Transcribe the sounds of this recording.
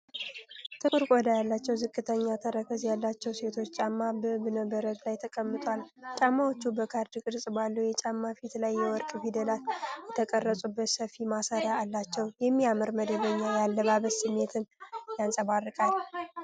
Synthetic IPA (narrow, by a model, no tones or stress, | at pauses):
t̪ʰɨkʼɨɾkʼɔd̪ajalːat͡ʃːɛwzɨkʼːɨt̪ʰəɲːat̪ʰəɾəkʰəzjalːat͡ʃːɛwse̞t̪ʰo̞t͡ʃːt͡ʃʼamːabəbɨnəbəɾət̪lajt̪ʰəkʼəmːɨt̪ʼwalt͡ʃʼamːawot͡ʃːubəkʰaɾd̪ɨkʼɨɾsʼɨbalːujɛt͡ʃʼamːafit̪lajːɛwɔɾkʼfid̪əlat̪jɛt̪ʰəkʼərːəsʼubːət̪səfimasaɾaːlːat͡ʃːɛwjɛmːiamɨɾməd̪əβəɲːajalːəβaβəsɨmːe̞t̪ʰɨnjansʼəβarːɨkʼal